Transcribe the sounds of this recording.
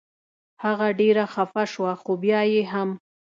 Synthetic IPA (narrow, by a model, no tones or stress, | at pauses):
haɣaɖeɾaxafaʃwaxobjɑjeɦam